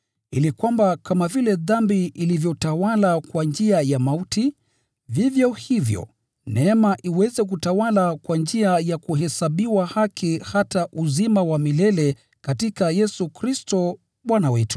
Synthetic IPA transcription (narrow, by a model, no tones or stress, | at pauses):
ilikwambakamavilɛðambiʔilivjɔtawalakwand͡ʒiajamauti | vivjɔhivjɔ̰ | nɛmaʔiwɛzɛk̬utawalakwand͡ʒiajakuhɛsaɓiwahakʰihataʔuzimawamilɛlɛ | katikajɛsukɾistɔ | ɓwanawɛtu̥